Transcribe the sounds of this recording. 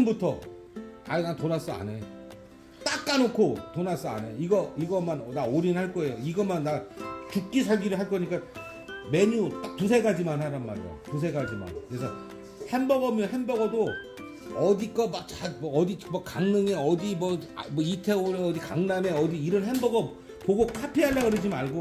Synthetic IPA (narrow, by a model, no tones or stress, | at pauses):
ɯmbutʰʌ | aiɡantonas͈ʌa̰ne̞ | t͈ak̚k͈anokʰotonas͈ʌa̰ne̞iɡʌiɡʌmanʌnaoɾinnhaɭk͈ʌe̞joiɡʌmanːat͡ɕuk̚k͈isʰaɭɡiɾɯɭɦaɭk͈ʌɲik͈a | me̞ɲut͈ak̚tus̬ʰeɡad͡ʑimanɦaɾanma̰ɾḭjo̰tus̬ʰe̞ɡad͡ʑima̰nkɯɾe̞sʰʌ | he̞nbʌɡʌmjʌɦenbʌɡʌdo | ʌdik͈ʌmak̚t͡ɕamʌːdimakaŋnɯŋe̞ʌdimʌmʌitʰe̞oɾeʌdikaŋname̞ʌdiːɾʌnɦe̞nbʌɡʌ | poɡokʰapʰeɦalːaɡɯɾɯd͡ʑiaɭɡo